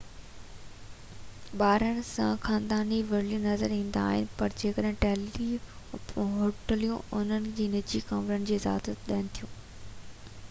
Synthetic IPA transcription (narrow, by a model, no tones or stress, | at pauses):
ɓaːɾənɪ̆sã̰xaːnd̪aːniʋɐɾlijũnɐzəɾĩːnd̪a̰ːɦɪ̰nɪ̆pɐɾd͡ʑeːkəɗɦɪ̃ʈɛːli | ɦoːʈəlijũʊn̤ənɪ̆d͡ʑiːnɪd͡ʑikãːmɾənɪ̆d͡ʑeːza̰ːd̪ət̪̚ɗɐːɪnɪ̆t̪ʰijũː